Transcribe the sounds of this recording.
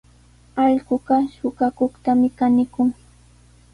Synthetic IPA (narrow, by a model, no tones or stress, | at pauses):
ɑʎɢʊɢɑʃʊɢɑkoχt̪amɪkanɪkʊŋ